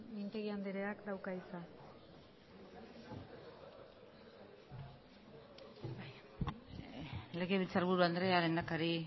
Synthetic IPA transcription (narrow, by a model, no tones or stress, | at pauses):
int̪eɣiand̪eɾeakd̪awkaisa | baj | leɣeβit͡saɾβuɾuand̪ɾealend̪akaɾi